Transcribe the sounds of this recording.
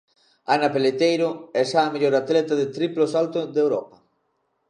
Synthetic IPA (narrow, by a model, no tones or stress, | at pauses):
anapelet̪ejɾʊɛsaːmeʎoɾat̪lɛt̪aðet̪ɾiplosalt̪oðewɾɔpɐ